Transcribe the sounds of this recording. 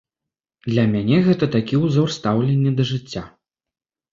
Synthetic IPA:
d̪lʲɐmʲanʲɛɣɛt̪ɐt̪akʲiuzɔrst̪awlʲɛnʲːɛd̪ɐʐɨt͡sʲːa

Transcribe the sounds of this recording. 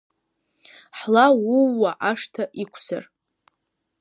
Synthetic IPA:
ħlawuːaʔaʂtʰaʔikʷʰsa̰r

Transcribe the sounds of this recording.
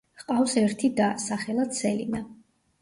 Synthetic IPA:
qʼafsɛɾt̪ʰid̪asaχɛlˠad̪sɛlḭna

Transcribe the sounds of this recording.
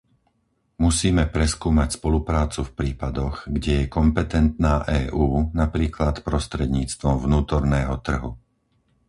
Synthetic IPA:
musiːmɛpɾɛskuːmacspɔlupɾaːt͡sufpɾiːpad̪ɔɣɡɟɛjɛkɔmpɛt̪ɛnt̪naːʔɛːʔuːnapɾiːklat̪pɾɔst̪ɾɛd̪ɲiːt͡st̪ʋɔmvnuːt̪ɔɾnɛːɦɔt̪r̩ɦu

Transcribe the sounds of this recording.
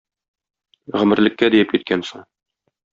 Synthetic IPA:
ʁɘ̆mɘ̆ɾlɘ̆kːæd̪ijɘp̚kit̪̚kænsɤŋ

